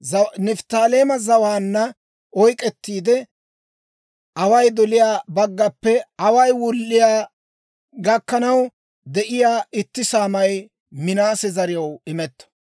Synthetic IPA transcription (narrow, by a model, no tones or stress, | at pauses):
zɐnɪft̪aːleːmɐzɐwaːnːɐ | ʔɔjkʼɛt̪ːiːd̪ɛ | ʔɐwɐjd̪ɔlɪjaːbɐɡːɐpːɛɐwɐjwʊlːɪjaː | ɡɐkːɐnɐw | d̪ɛʔɪjaːɪt̪ːɪsaːmɐj | mɪnaːsɛzɐɾɪjɐwɪmɛt̪ːɐ̥